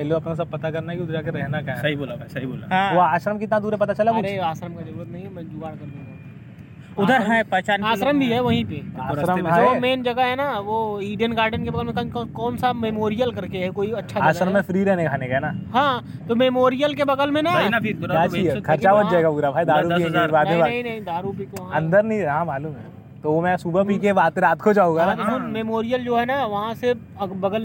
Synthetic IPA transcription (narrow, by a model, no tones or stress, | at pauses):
ɛloɐpnas̬ɐb̚pɐt̪akɐɾnakiʊd̪ɾakeɾɛɦnakaɦɐɦiboːlabʱasɐɦibo̰ːlã̰ʋoaːʃɾəmkeɪt̪nad̪uːɾepɐt̪at͡ʃɐlakuɾeaːʃɾəmkad͡ʒɐɾuːɾət̪̚nɐɦĩɦɛbɐd͡ʒ̪ʊʋaːɽkɐɾnaɐ | ʊd̪ʱəɾɦãɛpɛt͡ʃaːnaːʃɾəmbʱiɦɛʋɐɦĩpeaːɾəɦãomeːnd͡ʒɐɡaɦɛnaʋoɪ̃ːɖijənɡaːɾɖənkebɐɡəlmẽkɐkːkɔːnsamemoːɾijəlkɐɾkeɦɛkoːiɐtːʃʰaaːsɾəmːẽfʰɾiːɾɛɦnekʰaːnekaɦɛnaːɦãː | t̪omemoːɾijəlkebɐɡəlmẽnaaːt͡ʃikʰɐɾt͡ʃaod͡ʒaːeɡapuːɾabʱaːid̪aːɾupiɦɛ̃d͡ʒeɾbaːd̪nẽaɐɦĩnɐɦĩd̪aːɾup̬iːk̪oʋɐɦaɐ̃nd̪əɾnɦĩɦãːmaːluːmɦɛ | t̪oomɛ̃suːbapiːkebaːd̪̚eɾaːt̪kʰod͡ʒaːũɡanaɦunmemoːɾijəld͡ʒoːɦɛnaʋɐɦãsɪ | bɐɡəl